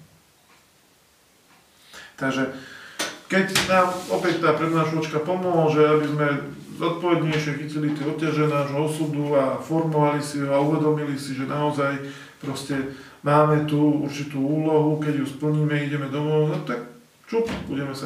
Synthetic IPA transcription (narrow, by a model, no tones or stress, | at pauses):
t̪aɡʒɛ | kɛcnaːmɔpɛct̪aːpɾɛd̪naːʃlɔt͡ʃkapɔmɔɦl̩ʒɛabizmɛzɔt̪̚pɔʋɛd̪ɲɛjʃɪɛxicilit̪iɔp̚cːaʒɛnaːʒɦɔɔsuːd̪uafɔɾmɔʋalisiɦɔauʋɛd̪ɔmilisiʒɛnaɔzaj | pɾɔscɛ | maːmɛt̪uṵɾt͡ʃit̪uːuːlɔɦukɛɟjuspl̩ɲiːmɛiɟɛmɛd̪ɔmɔnɔt̪ak̚ | t͡ʃubṵɟɛmɛsa